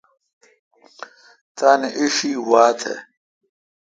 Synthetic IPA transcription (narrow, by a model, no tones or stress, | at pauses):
t̪aːneʔiʂiːwaːt̪ʰḛ